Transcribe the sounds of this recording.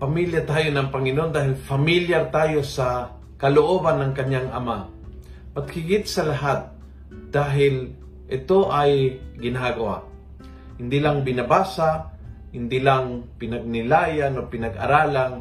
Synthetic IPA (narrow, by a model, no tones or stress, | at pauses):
pɐmiljat̪aːjonɐŋpɐŋɪnond̪aːɦɪlfɐmiljaɾt̪aːjo̞sa | kɐloʔoːbanːɐŋkɐɲaŋʔɐma | pat̪̚hɪɡɪt̪̚sɐlaɦat̪̚ | d̪̥aːɦɪl | ʔɪt̪oʔajɡɪnaɡɐwa̰ʔ | hɪnd̪ilaŋbɪnɐbaːsahɪnd̪ilaŋpɪnɐɡ̚nɪlaːjanopɪnɐɡɐ̰ɾaːlaŋ